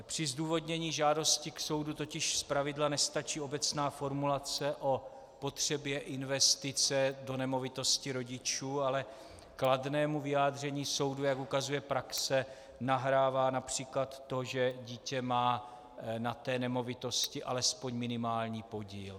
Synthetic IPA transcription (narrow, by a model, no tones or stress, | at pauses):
pr̥ɪzduːvo̞dɲɛɲiːʒaːdo̞scɪkso̞wdut̪o̞cɪʃspɾavɪdlanɛst̪at͡ʃiːo̞bɛt͡snaːfo̞ɾmulat͡sɛʔo̞ | po̞t̪r̥ɛbjɛʔɪnvɛst̪ɪt͡sɛdo̞nɛmo̞vɪt̪o̞scɪɾo̞ɟɪt͡ʃuːalɛ | kladnɛːmuvɪjaːd̪r̝ɛɲiːso̞wdujakukazujɛpɾaksɛ | naɦɾaːvaːnapr̝̥iːklat̪ːo̞ʒɛɟiːcɛmaː | nat̪ɛːnɛmo̞vɪt̪o̞scɪʔalɛspo̞ɲmɪnɪmaːlɲiːpo̞ɟiːl